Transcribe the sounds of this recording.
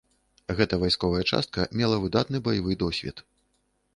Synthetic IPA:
ɣɛt̪ɐvajskɔvɐjɐt͡ʂa̰st̪̚kɐmʲɛlˠɐvɨd̪at̪nɨbɐjavɨd̪ɔsʲvʲɛ̰t̪

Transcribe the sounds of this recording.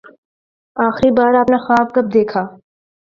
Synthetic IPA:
aːxɾibaːɾaːpnexaːb̚kɐb̚d̪eːkʰaː

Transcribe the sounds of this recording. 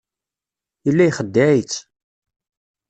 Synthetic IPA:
ilːæjχəd̪ːaʕit͡sː

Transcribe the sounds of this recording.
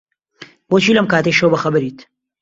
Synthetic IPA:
boːt͡ʃʰiːlɐmkaːt̪ɐjʃɐwbɐxɐbɨɾiːt̪

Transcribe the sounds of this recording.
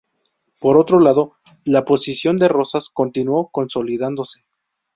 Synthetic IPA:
po̞ɾo̞t̪ɾo̞laðo̞ | lapo̞sisjo̞nd̪e̞ro̞sasko̞nt̪inwo̞ko̞nso̞liðand̪o̞se̞

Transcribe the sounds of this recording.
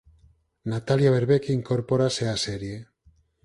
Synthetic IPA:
nat̪aljaβeɾβekiiːŋko̞ɾpo̞ɾaseaseɾje

